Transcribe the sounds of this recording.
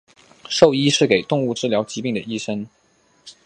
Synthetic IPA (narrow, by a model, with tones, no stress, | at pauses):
ʂo˥˧ʊi˥ʂɻ̩˥˩ke˨˩ɪt̪ʊ˥˧ŋu˥˩ʈ͡ʂɻ̩˥˩ljɑ˧˥ʊt͡ɕi˧˥pi˥˩ŋd̪ə˩i˥ʂə˥ŋ